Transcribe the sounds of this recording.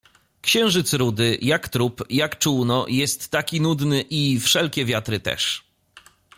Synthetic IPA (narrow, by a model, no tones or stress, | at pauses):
kɕɛ̃w̃ʐɘt̪sɾud̪ɘjakt̪ɾupjakt͡ʂuwnɔjɛst̪ːakʲinud̪nɘʔifʂɛlkʲɛvʲjat̪ɾɘt̪ɛ̰ʂ